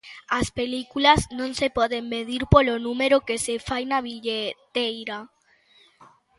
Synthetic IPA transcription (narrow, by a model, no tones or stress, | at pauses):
aspelikulaznõŋsepɔðemmeðiɾpolonũmeɾokesefajnaβiʎet̪ejɾa